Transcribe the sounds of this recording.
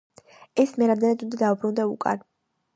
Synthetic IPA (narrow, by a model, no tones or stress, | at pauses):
ɛsmɛɾamd̪ɛnad̪und̪ad̪aubɾund̪aṵkʼa̰n